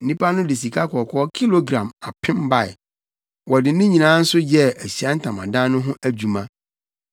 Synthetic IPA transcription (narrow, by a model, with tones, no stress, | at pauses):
n̩˦ĩ˦pa˦nʊ̃˦dɪ˨s̬i˨kʰa˦kʰɔ˨kʰɔ˦ɔ˦kʰi˦lo˨ɡɾã˨ma˨pʰɪ̃˦mba˦˨j̰ | wɔ˨dɪ˨˦nʊ̃˦ɲĩ˨nãː˨˦n̩˦sʊ˦jɛ˦æ˨ɕi˨a˦n̩˦tʰã˨mã˨dã˦nʊ̃˦ɦʊ̃˦ʔæ˦d͡ʑᶣu˨mã˦